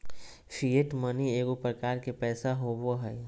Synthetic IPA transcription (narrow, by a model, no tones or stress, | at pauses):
fʰieʈmənieːɡopɾəkaːɾkepɛːsaɦoʋoɦɛː